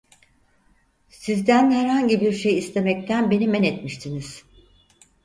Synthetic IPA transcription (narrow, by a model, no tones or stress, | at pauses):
sizd̪ænhæɾhaɲɟibiɾʃe̞jist̪ʰe̞mɛc̚t̪ʰænbe̞nimɛnɛt̪miʃt̪ʰiniz̥